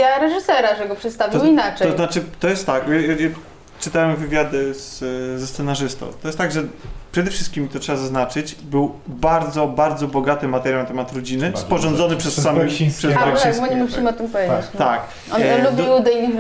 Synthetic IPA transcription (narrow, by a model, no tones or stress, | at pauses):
aɾɛʐɨsɛɾaʐɛɡɔpʂɛt̪st̪avʲiwinaɛɔznat͡ʂɘt̪ɔjɛst̪t̪ːakjaaja | t͡ʂɨt̪awɛmvɘvʲjad̪ɘzzɛssɛnaʐɘst̪ɔ̰̃t̪ɔjɛst̪aɡʐɛpʂɛd̪ɛfʂɘst̪̚kʲimt̪ɔtʂɛbazaznat͡ʂɘt͡ɕbɘwbaɾd̪zɔbaɾd̪zɔbɔɡat̪ɘmːat̪ɛɾʲjawnat̪ɛmat̪ɾɔd͡ʑinɘspɔʐɔnd̪zɔnɘpʂɛssamɛpʂɛsikbɔɲɛmfimɔt̪ɨmpɔvʲeet͡ɕt̪ak | ɔ̰nɛlubʲiwud̪ɛjlʲi